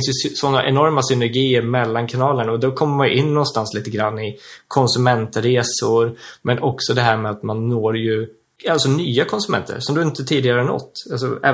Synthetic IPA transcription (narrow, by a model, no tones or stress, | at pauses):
nsjɵsɔnːaʔɛnɔɾmasʏnɛɾɡiːəɾmɛlːankʰanɑːlənaɔd̪ɛkʰɔmːəɾmanjɵ̰ʔɪnːɔnst̪ansliːt̪əɡɾanːɪkʰɔnsɵmɛnt̪ɾeːsʊɾmɛnʔɔksɔd̪ɛɦæːɾmɛat̪manːoːɾjɵ | alsɔnyːakʰɔnsɵmɛ̰nt̪ʰə̰ɾsɔmd̪ɵɪnt̪ət̪ʰiːd̪ɪɡaɾənɔ̰t̪ːals̬ɔ̰ɛ̰ː